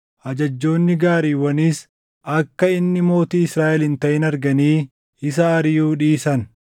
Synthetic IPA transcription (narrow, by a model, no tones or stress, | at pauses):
ʔɐd͡ʒɐd͡ʒːo̞ːnːɪɡaːɾiːwɐniːs | ʔɐkːɐɪnːɪmo̞ːt̪iːɪsɾaːʔɛlɪnt̪ɐʔɪnɐɾɡɐniː | ɪsɐːɾɪjuːᶑiːsɐn